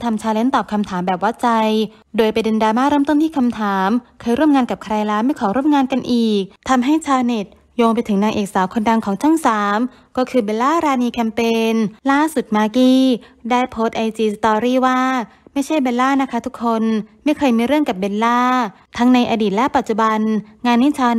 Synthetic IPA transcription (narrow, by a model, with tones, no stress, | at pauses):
t̪ʰa˧mt͡ɕʰaː˧wle˦˥nt̪ɔː˨˩p̚kʰa˧mt̪ʰaː˩˦mbɛː˨˩p̚wa˦˥t̪̚t͡ɕa˧j | doː˧jpa˧jdɯ˧ndaː˧maː˥˩ɾɤː˥˩mt̪o˥˨t̪ʰiː˥˩kʰa˧mt̪ʰaː˩˦mkʰɤː˧jɾu˥˩əmŋaː˧nka˨˩p̚kʰɾa˧jlaː˦˥ma˥˩jkʰɔː˩˦ɾu˥˩əmŋaː˧nka˧nʔiː˨˩k̚t̪ʰa˧mɦa˥˩jt͡ɕʰaː˧wne˨˩t̪̚ | joː˧ŋpa˧jt̪ʰɯ˩˦ŋnaː˧ŋʔeː˨˩k̚saː˩˦wkʰo˧nda˧ŋkʰɔː˩˦ŋt͡ɕʰa˥˩ŋsaː˩˦m | kɔː˥˩kʰɯː˧be˧nlaː˥˩ɾaː˧niː˧kʰɛ˧mpeː˧nlaː˥˩su˨˩t̪̚maː˧kiː˥˩daː˥˩jpʰoː˦˥t̪̚ʔa˧jt͡ɕiː˧sa˧t̪ɔː˧ɾiː˥˩waː˥˩ | ma˥˩jt͡ɕʰa˥˩jbe˧nlaː˥˩na˧˥˩kʰa˦˥t̪ʰu˦˥kʰːo˧nma˥˩jkʰɤː˧jmiː˧ɾɯ˥˩əŋka˨˩p̚be˧nlaː˥˩ | t̪ʰa˦˥ŋna˧jʔaː˧diː˨˩lɛ˦˥pa˨˩t̪̚t͡ɕu˨˩ba˧nŋaː˧nːiː˥˩t͡ɕʰaː˧